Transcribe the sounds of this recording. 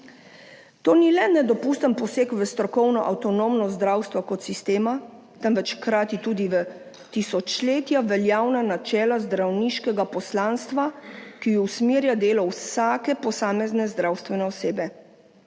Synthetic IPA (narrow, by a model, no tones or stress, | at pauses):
t̪oːnilɛnɛd̪ɔpuːst̪ənpɔseːkʋəst̪ɾɔkɔwnɔʔawt̪ɔnoːmnɔzd̪ɾaːwst̪ʋɔkɔt̪sist̪eːma | t̪ɛnʋɛt͡ʃkɾaːt̪it̪uːd̪iʋə | t̪isɔt͡ʃleːt̪jaʋɛljaːwnanat͡ʃɛːlazd̪ɾawniːʃkɛɡapɔslaːnst̪ʋakijɔwsmiːɾjad̪eːlɔwsaːkɛpɔsaːmɛznɛzd̪ɾawst̪ʋɛnɛɔseːbɛ